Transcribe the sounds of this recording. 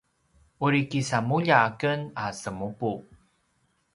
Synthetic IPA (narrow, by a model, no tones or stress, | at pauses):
uɾikisamuʎaːkənasəmupu